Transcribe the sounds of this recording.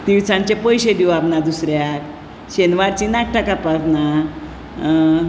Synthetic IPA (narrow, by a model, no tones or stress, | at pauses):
t̪iwt͡sãnt͡ɕepəjɕed̪iwabnad̪usɾjak | ɕenʋaɾt͡ɕinak̚ʈʰakapakna